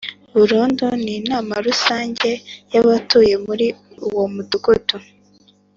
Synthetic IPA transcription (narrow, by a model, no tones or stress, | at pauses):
βuɾuːnduninaːmaɾusaːɲɟe̞jaβatuːje̞muɾi | uwo̞muduɡutu